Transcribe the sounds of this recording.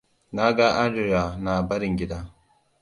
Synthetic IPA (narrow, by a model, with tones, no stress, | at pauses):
na˦ɡa˦ʔa˦ndu˨ja˨na˨ba˦ɾi˨ŋɡʲɪ˦da˦